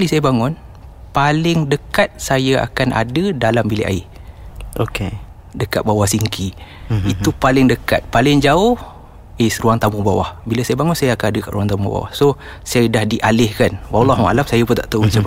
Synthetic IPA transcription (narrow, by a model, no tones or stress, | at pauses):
alisajabaŋʊnpalɪŋdəkat̪̚sajaa̰kanʔa̰dədalambilḛʔa̰ih | oke | dəkat̪̚bawahsiŋkʰiit̪upalɪŋdəka̰t̪̚palɪŋd͡ʒaʊh | esɾuaŋt̪amʊŋbawa̰hbiləsajabaŋʊnsajaakanadəka̰ʔɾuaŋt̪amumubba̰wa̰hsosajədahdiʔalɪhkanwalːɑɦua̰lamsajapʊnt̪aʔt̪aut͡ʃəpa